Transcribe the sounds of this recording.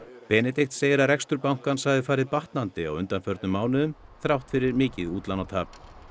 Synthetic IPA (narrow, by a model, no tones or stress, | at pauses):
pɛːnɛt̪ext̪seːjɪɾarɛkst̪ʏɾpawŋ̥kansaɣðɪfaːɾɪðpaht̪nant̪ɪa̰wʏnt̪anfœɾt̪nʏmːaːwnʏðʏmθɾawht̪fɪɾɪɾmɪːcɪðuːt̪lanːawt̪ʰaːp